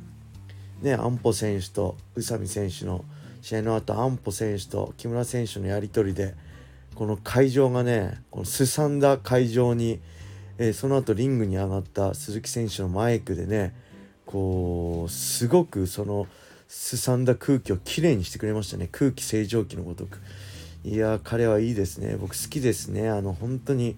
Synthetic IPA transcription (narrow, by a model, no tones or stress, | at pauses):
ne̞ã̰mpo̞sẽ̞ɰ̃ɕɨ̥t̪o̞̰ɯ̟samʲḭsẽ̞ɰ̃ɕɨno̞̰ | ɕienoat̪ːo̰ãmpo̞sẽ̞ɰ̃ɕɨ̥t̪o̰kʲimɯ̟ɾasẽ̞ɰ̃ɕɨno̞jaɾʲit̪o̞ɾʲid̪e̞ | ko̞no̞kʰaiʑo̞ːɡane̞ko̞̰nosɨsãnd̪akʰaiʑo̞ːɲ̟i | eso̞no̞at̪o̞ɾʲĩŋɡɯ̟ɲ̟iaɡat̪ːasɨzɨkʲi̥sẽ̞ɰ̃ɕɨno̞maekɯ̟d̪e̞ne̞ | kʰo̞ːsɨɡo̞kɯ̟so̞no̞ | sɨsãnd̪akʰɯ̟ːkʲio̞kʲʰiɾe̞ːɲ̟iɕi̥t̪e̞kɯ̟ɾe̞maɕ̬i̥t̪a̰ne̞kʰɯ̟ːkʲi̥se̞ːʑo̞ːkʲino̞̰ɡo̞d̪o̞kɯ̟̥iakʰaɾe̞β̞aiːd̪e̞sɨnḛbo̞kɯ̟̥sɨ̥kʲid̪e̞sɨne̞ano̞hõ̞nt̪o̞ɲ̟i